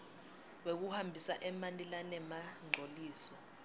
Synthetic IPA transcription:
ɓek̬uhambʱisaʔɛmanilanɛmaŋ͡ǀʱoliːsɔ

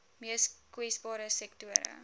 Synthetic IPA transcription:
miəskwɛsbɑːɾəsɛktuəɾə̰

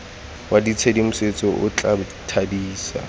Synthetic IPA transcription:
wadit͡sʰedimʊset͡sʼɔʔʊt͡ɬʼab | tʰadiːsa̰

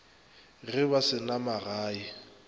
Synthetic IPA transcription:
ɣɪβasɪnamaraːi

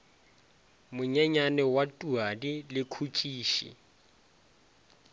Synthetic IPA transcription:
mʊɲɛɲanɛwatʼuadilɪkʰut͡ʃʼiːʃḭ

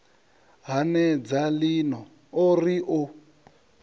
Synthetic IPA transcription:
ɦanɛd͡zalinɔ | oriʔʊ

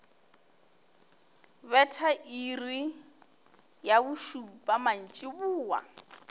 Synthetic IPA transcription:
βɛtʰaʔiri | jaβʊʃupʼaman̩t͡ʃʼɪβuːwa̰

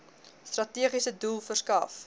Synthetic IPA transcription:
strɐtiəχisədulˠfərskɐf

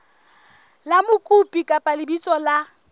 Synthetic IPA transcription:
lamʊkʼupʼikʼapʼalɪbit͡sʼɔla

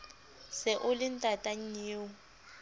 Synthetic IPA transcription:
sɪʔʊlɪn̩tʼatʼaɲ̩ɲeːwʊ

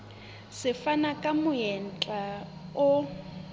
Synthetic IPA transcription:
sɪfanakʼamʊjɛnt͡ɬʼaʊ

